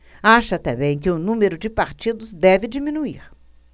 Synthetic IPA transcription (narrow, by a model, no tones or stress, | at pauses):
aʃɐːt̪ɛbẽj̃k̬ɪʊnũmeɾʊd͡ʒɪpaɾt͡ʃid̪ʊzd̪ɛvɪd͡ʒimĩnuiɾ